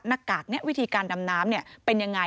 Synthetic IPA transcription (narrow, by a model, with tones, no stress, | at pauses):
na˧˥˩kːaː˨˩k̚nɛ˦˥ʔwi˦˥t̪ʰiː˧kaː˧nːa˧mnaː˦˥mni˥˩ɐpe˧nja˧ŋːa˧